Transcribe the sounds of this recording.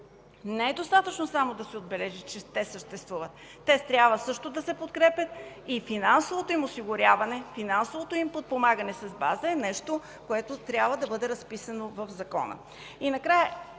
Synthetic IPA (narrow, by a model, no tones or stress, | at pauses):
nɛɛd̪ost̪at̪ət͡ʃnosamod̪ɐsɛod̪̚bɛlɛʒit͡ʃɛt̪ɛsəʃt̪ɛst̪vuvət̪ːɛst̪ɾʲjabvəsɤʃt̪od̪ɐsɛpot̪kɾɛpʲət̪̚ | ifinansovot̪oimosiɡʊɾʲjavɐnɛfinansovot̪oimpot̪̚pomaɡənɛsɐzbazəɛnɛʃt̪o | koɛt̪ot̪ɾʲjabvəd̪ɐbɤd̪ɛɾɐspisɐnovɐfzɐkɔ̰nə̰ | inɐkɾajɛ